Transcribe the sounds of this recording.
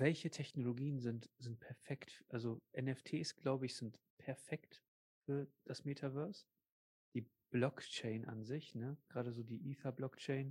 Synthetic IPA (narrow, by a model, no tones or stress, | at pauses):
vɛlçətʰɛçnoloɡiːənzɪntz̥ɪnt̚pʰɛɐfɛktʔalzoʔɛnɛftʰeːsɡ̥laʊbəɪçz̥ɪnt | pʰɛɐfɛkt | fyːɐd̥asmeːtʰavœɐs | d̥iː | b̥lɔkt͡ʃɛɪnʔa̰nzɪçnəɡ̥ʁaːɾəzoːdiːʔiːfablɔkt͡ʃɛɪn